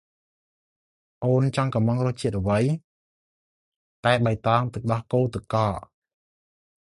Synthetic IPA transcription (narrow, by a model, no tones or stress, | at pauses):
ʔoːnt͡ɕɑŋkɑmɑŋrʊəht͡ɕiət̪̚ʔə̆ʋəj | t̪aɛɓəjt̪ɑːŋt̪ɨk̚ɗɑhkoːlt̪ɨkɑːʔ